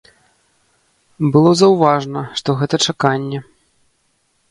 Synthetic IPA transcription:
bɨlˠɔzɐwvaʐnɐʂt̪ɔɣɛt̪ɐt͡ʂakanʲːɛ

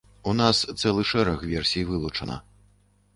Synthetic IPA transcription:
unast̪sɛlˠɨʂɛɾɐxvʲɛrsʲijvɨlˠut͡ʂɐnɐ̰

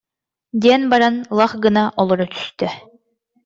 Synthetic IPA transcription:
d̪ʲiɛnbaɾanlˠaχɡɯnaʔɔlˠɔɾɔt̪y̥st̪œ

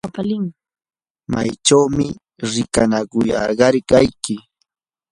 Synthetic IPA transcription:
apalɪŋ | ma̰jt͡ʃawmɪ | ɾɪkanakʊjɑ̰ɾɢɑɾkajkɪ

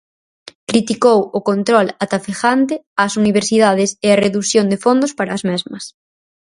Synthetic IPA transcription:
kɾit̪ikowʊkont̪ɾɔlat̪afexant̪ɪasuniβ̞eɾsiðað̞ɪseɐreðuθjond̪efond̪ʊspaɾɐːzmɛzmɐs

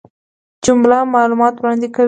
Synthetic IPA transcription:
d͡ʒʊmlamɑlumɑt̪wɾɑnd̪eka

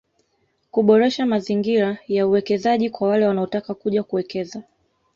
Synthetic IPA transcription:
kuɓɔɾɛʃamaziŋɡiɾajauwɛkɛzaʄikwawalɛwanaɔtakakuʄakuwɛkɛza

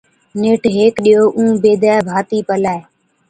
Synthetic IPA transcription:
nɪʈɦeːkɗijoːʔũːbeːd̪aːbʱaːt̪iːpəlaːeː

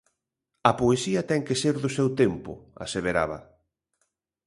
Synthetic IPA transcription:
ɐpoesiɐt̪ɛŋkeseɾðʊsɛwt̪empʊ̰a̰seβeɾa̰βɐ̰

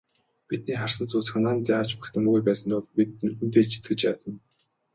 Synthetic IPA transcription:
pit̪̚niːχar̥sə̆nt͡suːsxanaːnt̪jaaːt͡ɕpḁ̆xʲt̪ʰə̆muɣujpæːsə̆nt̪ʊɮpit̪̚unt̪eːt͡ɕʰi̥t̪̚ɡɘ̆t͡ɕpæːt̪ə̆n

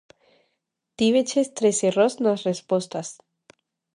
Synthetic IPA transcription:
t̪iβet͡ʃest̪ɾeserosnasrespwest̪as

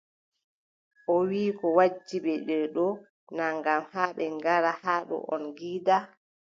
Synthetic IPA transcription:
ʔɔwiːkɔwad͡ʒːiɓɛɗɛɗɔ | naŋɡamhaːɓɛŋɡaɾahaːɗɔ̰ʔɔ̰nɡiːda

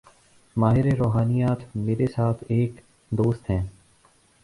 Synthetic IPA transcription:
maːɦɪɾeɾoːɦaːnijaːt̪ʰmeːɾesaːt̪ʰeːk | d̪oːst̪ɦɛ̃ː

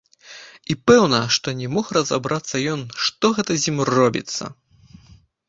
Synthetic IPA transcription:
ipɛwnɐʂt̪ɔnʲɛmɔxrɐza̰bɾat̪sːɐjɔnʂt̪ɔɣɛt̪ɐzʲimrɔbʲḭt̪sːɐ̰

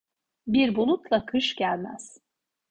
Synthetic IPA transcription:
biɾbulˠut̪lˠakʰɯʃɟælʲmæ̰z̥

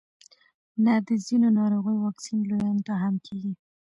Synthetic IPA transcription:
nad̪əzinonɑɾoɣəjwɑksinlojɑnt̪aɦamkʰeɡi

